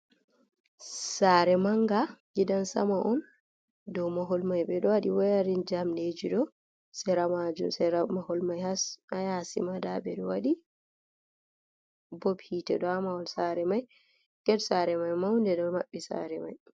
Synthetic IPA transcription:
saɾɛmaŋɡaɡidansa̰maʔɔn | dɔwmaɦɔlmajbɛɗɔwaɗiwajaɾind͡ʒamned͡ʒiɗɔ | sɛɾamad͡ʒṵmsɛɾamahɔlmajhasajasḭmadabɛɗɔwaɗi | bɔbhitɛ̰ɗɔamaɔnsaɾɛmaj | kɛdsaɾɛmajmawndɛdɔwmaɓːisa̰ɾɛma̰j

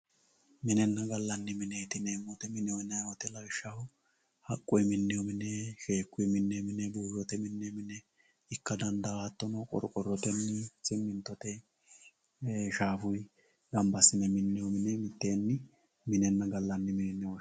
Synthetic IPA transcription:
mɪnɛnːɐɡɐlːɐnːɪmɪnɛjt̪ɪnemːɔt̪ɛmɪnɛwɔjnɐjwɔt̪ɛlɐɡɪʃːɐhʊ | hɐkʼːʊjmɪnːɪjɔmɪnɛʃe̞ːkːʊjmɪnːɛmɪnɛbuːʒɔt̪ɛmɪnːɛmɪnɛ | ɪkːɐd̪ɐnd̪ɐat̪ːɔnɐkʼɔ̰ɾkʼɔrːɔt̪ɛnːɪsɪmːɪnt̪ːɔt̪ɛ | ʃaːfʊj | ɡɐmbɐsɪnɛmɪnːɪjɔmɪnɛmɪt̪ːeːnːɪ | mɪnɛnːɐɡɐlːɐnːɪmɪnɛnːɛwɔ

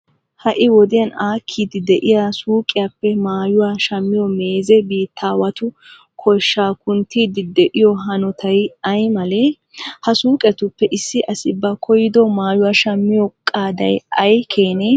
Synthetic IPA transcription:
hɐʔɪwɔd̪ɪjɐnaːkʰːiːd̪ɪd̪ɛʔɪjasuːkʼːɪjapːɛmaːjʊwaʃɐmːɪjɔme̞ːzɛbiːt̪ʰːaːwɐt̪ʊ | kʰɔjʃːaːkʊnt̪ːiːd̪ɪd̪ɛʔɪjɔɦɐnɔt̪ʰɐjɐjmɐlɛ | hɐsuːkʼɛt̪ʊpːɛʔɪsːɪʔɐsɪbːɐkʰɔjɪd̪ɔmaːjʊwaːʃɐmːɪjɔkʼːaːd̪ɐ̰jɐjkʰeːnɛ

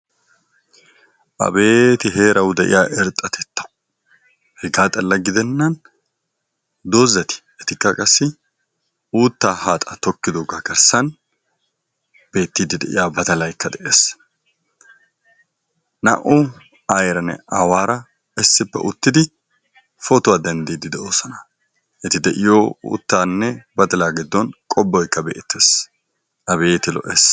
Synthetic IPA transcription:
ʔɐ̰be̞ːt̪ɪɦe̞ːɾɐwd̪ɛʔɪ̰jaːʔɛɾt̪ʼːɐt̪ʰɛt̪ːɐ̥ | hɛɡaːt̪ʼɐlːɐɡɪd̪ɛnːɐn | d̪oːzːɛt̪ɪ̥ | ɛt̪ɪkːɐkʼɐsːɪ | uːt̪ːaːhaːt̪ʼɐt̪ɔkːɪd̪oːɡaɡɐɾsɐn | b̥e̞ːt̪ːid̪ɪd̪ɛʔɪ̰jaːbɐt̪ɐlɐjkʰːɐd̪ɛʔeːs | nɐ̰ʔʊ | ɐjɾɐnɛ̰ɐwaːɾɐ | ɛsːɪpːɛ̰ʔʊt̪ːɪd̪ɪ | fɔt̪ʊwaːd̪ɐnd̪iːd̪ɪd̪ɛʔoːsɔnɐ | ʔɛt̪ɪd̪ɛʔɪjoṵːt̪ːaːnːɛbɐt̪ɐlaːɡɪd̪ːɔnkʼɔbːɔjkːɐbɛ̰ʔt̪ːeːs | ʔɐbeːt̪ɪlɔ̰ʔeːs

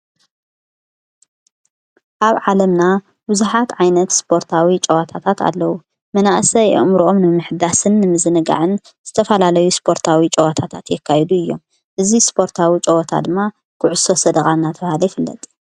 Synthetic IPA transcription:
ʔaβʕalɐmna | bɨzuħat̪ʕajnɐt̪spʰo̞ɾt̪ʰawit͡ʃʼɐwat̪ʰat̪ʰat̪a̰lːɐwu | mɐnaʔsɐjɨ̰ʔmɾʔomnɨmɨħd̪asɨnːɨmɨzɨnɨɡa̰ʕɨn | z̥ɨt̪ʰɐfɐlalɐjuspʰo̞ɾt̪ʰawit͡ʃʼɐwat̪ʰat̪ʰat̪jɛkʰːajɛd̪uɨjːo̞m | ʔɨzispʰo̞ɾt̪ʰawit͡ʃʼɐwɐt̪ʰa̰d̪ɨmːa | kʰʊʕʊso̞sɐd̪ɐɣʼanːat̪ʰɐβhalɐjɪfɨlːɐ̰t̪ʼ

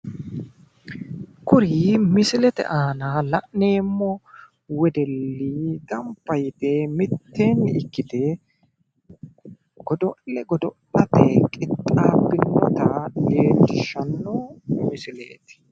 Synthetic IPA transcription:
kʊɾiːmɪsɪlɛt̪ɛ̰ʔaːnalɐ̰ʔneːmːɔ | wɛd̪ɛlːiɡɐmpːɐjt̪ɛmɪt̪ːeːnɪkːɪd̪ɛ | ɡ̥ɔd̪ɔʔlɛɡɔd̪ɔʔlɐt̪ɛkʼɪt̪ʼːaːbːɪnːɔt̪ɐɡe̞ːt̪ːɪʃːɐnːɔmɪsɪlḛːt̪ɪ̥

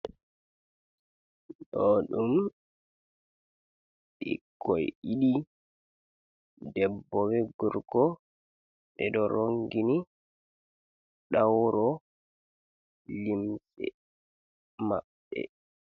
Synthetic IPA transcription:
ɗɔɗum | ɗḭkʰːɔjiɗi | dɛbːɔwɛɡuɾɡɔ | ɓɛɗɔɾʔoŋɡini | ɗawɾɔ | limsɛ̰ | maɓːɛ̰

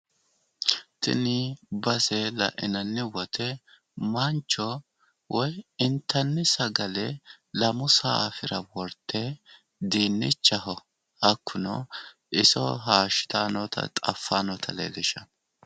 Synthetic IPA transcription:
t̪ʰɪ̰nɪbɐselɐ̰ʔɪnɐnːɪwɔt̪ʰɛ | mɐnt͡ʃːɔ | wɔjɪnt̪ʰːɐnːɪsɐɡɐlɛ | lɐmʊsaːɐfɪɾɐwɔɾt̪ʰːɛ | d̪iːnːɪ̰t͡ʃːɐɦɔ | ɐkʰːʊnɔ̰ | ɪsɔ̰ɦaːʃɪ̥t̪ʰaːnɔt̪ʰɐ̰t̪ʼɐ̰fːaːnɔt̪ʰɐlḛːlɪʃɐ

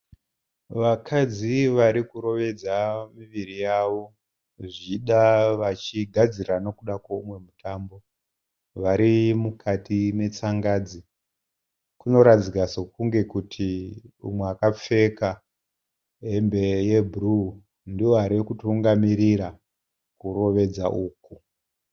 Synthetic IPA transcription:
ʋakʰad͡ziʋaɾikuɾo̞ʋe̞d͡zamiʋirijaʋo̞ | ʐiɗaʋat͡ʃiɡʱad͡zirano̞kuɗakwoumwe̞mutʰaːmbo̞ | ʋaɾimukʰatime̞t͡saŋɡaːd͡zi | kuno̞ɾad͡zikasokuŋɡe̞kutʰiṵmweakap͡fe̞ka | ɦembe̞je̞bʱuru | ndioɦaɾekutuŋɡamiɾiɾa | kuro̞ʋe̞d͡zaʔuːku

